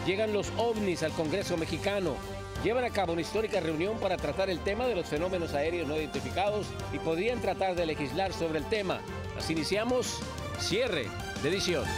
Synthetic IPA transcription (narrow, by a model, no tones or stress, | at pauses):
ɟ͡ʝe̞ɣanlo̞so̞βnisalko̞ŋɡɾe̞so̞me̞xikano̞̰ | ɟ͡ʝe̞βanakaβounaist̪o̞ɾikare̞unjo̞mpaɾat̪ɾat̪aɾe̞lt̪e̞maðe̞lo̞sfe̞no̞me̞no̞sae̞ɾjozno̞iðent̪ifikaðo̞s | ipo̞ðɾiant̪ɾat̪aɾðele̞xizlaɾso̞βɾeːlt̪e̞ma̰ | a̰siːnisjamosː | je̞rḛ | d̪eðisjo̞n